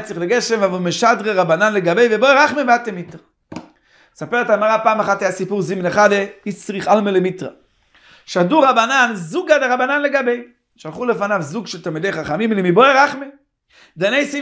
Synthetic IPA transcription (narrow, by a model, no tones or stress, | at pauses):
t͡siχleɡɛʃɛmvavalmeʃadʁeʁabananleɡabejvebɔjʁaχmebatemitʁa | sapɛʁɛtaɡmaʁapaːmaχateasipuʁzimnaχadehit͡sʁiχalmelemitʁa | ʃaduʁabananzuɡadɪʁabananleɡabej | ʃalχuləfanavzuɡʃɛltalˠmidejχaχamimlimibɔʁaχme | danejsi